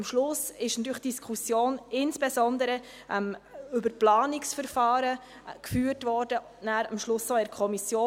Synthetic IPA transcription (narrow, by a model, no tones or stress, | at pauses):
mʃlʊsɪʃnɑt̪yːɾəχd̥iskʰusjoːnɪnsb̥esɔnd̪əɾə | ʔɛmʏbəplɑːnɪksfəɾfɑːɾə | kfyːrtvɔːɾdə | næːɾəmʃlʊssɔɛɾkʰɔmisjoː